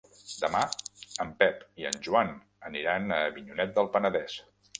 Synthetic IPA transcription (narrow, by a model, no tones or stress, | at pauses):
d̪əmaəmpɛpiə̰nʒuan | əniɾanəβiɲunɛt̪̚d̪əlˠpənəðɛs